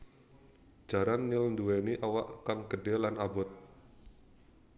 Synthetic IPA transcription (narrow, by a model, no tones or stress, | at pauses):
d͡ʒ̥a̤ɾanːilnduweniʔawaʔkaŋɡədɛlanabʊt̪̚